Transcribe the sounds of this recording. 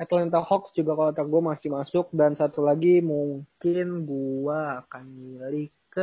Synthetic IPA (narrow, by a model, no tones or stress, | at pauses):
ɛt̪lɛnt̪ahɔksd͡ʒuɡakalot̪aɡamasɪhmasʊk̚dansat̪ulaɡimuŋkɪnɡuaːkanmilikkə